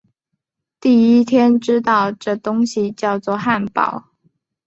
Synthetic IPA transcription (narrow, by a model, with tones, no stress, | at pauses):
t̪i˥˩i˥t̪ʰjɛ˥nʈ͡ʂɻ̩˥t̪ɑ˥˧ʊʈ͡ʂɤ˥˩t̪ʊ˥ŋɕi˨t͡ɕjɑ˥˧ʊt͡swɔ˥˧xa˥˩npɑ̰˨˩˦ʊ